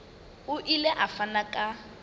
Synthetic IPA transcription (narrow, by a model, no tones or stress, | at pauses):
ʊʔilɛʔafanakʼa